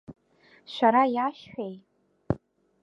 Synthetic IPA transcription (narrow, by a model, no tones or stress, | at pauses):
ʃʷᶣaɾajaʃħᶣejt